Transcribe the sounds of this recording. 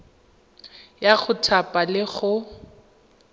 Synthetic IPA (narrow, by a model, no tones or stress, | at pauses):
jaɣʊtʰapʼalɪɣʊ